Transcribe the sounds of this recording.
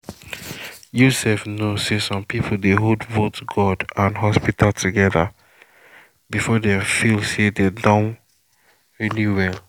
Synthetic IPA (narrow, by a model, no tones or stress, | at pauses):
jusɛfnosesɔ̃mpipʰl̩deɦodvotɡɔdãnɦɔspitʰaltʰuɡɛða | bifɔdɛ̃mfilsededãʊn | ɹiliwɛl